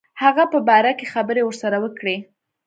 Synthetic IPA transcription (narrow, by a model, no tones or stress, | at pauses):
haɣapəbɑɾakexabəɾewəɾsaɾawəkɽe